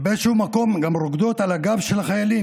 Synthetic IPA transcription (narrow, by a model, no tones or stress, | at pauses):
beeʃehumako̞mɡamɾoɡd̪o̞t̪alaɡavʃelaχajalim